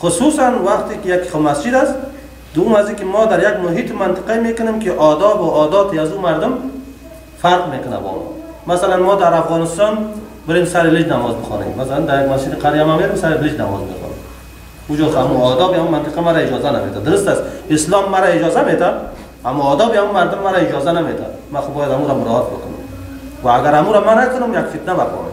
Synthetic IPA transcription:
xʊsusanwaqt̪ekijaki̥ɔmasd͡ʒid̪ast̪ | d̪ʊjʊmazikimɔd̪aɾjaɡmʊɦit̪ɪmant̪ɪ̥qaimekʊnemkiʔɔd̪ɔbʊʔɔd̪ɔt̪iazumaɾd̪ʊm | faɾqmekʊna̰bɔ̰m̰ | masalanmɔd̪aɾafɣɔnɪst̪ɔn | bɪɾemsaɾɪlɪd͡ʒnamɔzbəxɔ̰nḛmmasaland̪aɾjaɡmasd͡ʒɪd̪iqʰaɾijamameɾɪmsaɾɪlɪd͡ʒna̰mɔ̰zmḛxɔ̰nḛm | ud͡ʒɔkamuɔd̪ɔbihamumant̪ɪqamaɾaɪd͡ʒɔzanamet̪ad̪ʊɾʊst̪asɪslɔmːaɾaɪd͡ʒɔzamet̪ʰa | amuɔd̪ɔbiamumaɾd̪ʊmːaɾaɪd͡ʒɔzanamet̪ʰa̰maxubɔjad̪hamuɾamʊɾɔɦat̪̚bəkʰʊnʊ̰m | vaːɡaɾamuɾamanakʊnʊmjakfit̪nabakɔ̰na̰

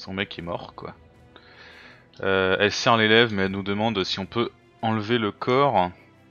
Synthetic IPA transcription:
sɔ̃mɛkʲɛmɔ̰ʁkwa̰ | øɛlsɛʁlelɛvmɛɛlnud̪əmɑ̃d̪siɔ̃pø | ɑ̃lveləkʰɔːʁ

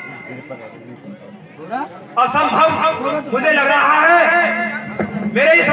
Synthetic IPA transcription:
əsə̃mbʱɐʋmʊd͡ʒʱelɐɡɾaɦaɦɛ | meːɾeɦis

